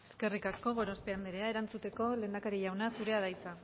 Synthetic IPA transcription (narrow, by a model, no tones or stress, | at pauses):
e̞ske̞rikasko̞ɣo̞ɾo̞spe̞and̪eɾeae̞ɾant͡sut̪e̞ko̞le̞ːnd̪akaɾiʝawnasuɾe̞að̞ajt͡sa